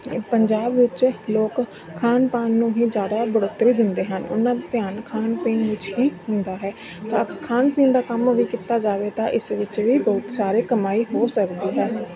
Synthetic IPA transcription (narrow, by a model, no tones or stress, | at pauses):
pəɲd͡ʒaːbʋɪt͡ʃloːkʰː | aːnpaːnːũːɦiːd͡ʒjaːd̪aːbəɽoːt̪ːɾiːd̪ɪnd̪eːɦənʊ̰nãːd̪eːt̪ɪjaːnkʰaːnpẽːnʋɪt͡ʃɦiːhʊnd̪aːɦɛː | t̪ãːɡəɾkʰaːnpɪ̃ːnd̪aːkəmʋiːkit̪aːd͡ʒaːʋeːt̪ãːʔɪsʋɪt͡ʃʋiːbɔːʊt̪saːɾeːkəmaːiːɦoːsəkd̪iːɦɛː